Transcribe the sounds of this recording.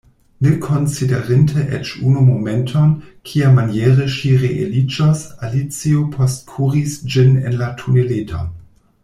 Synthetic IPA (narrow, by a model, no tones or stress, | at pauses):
nekʰonsideʁintʰeʔet͡ʃunumomentʰonkʰiamanjeʁəʃiʁeʔḛlid͡ʒosalit͡siopʰostkʰuʁisd͡ʒinḛnlatʰuneletʰo̰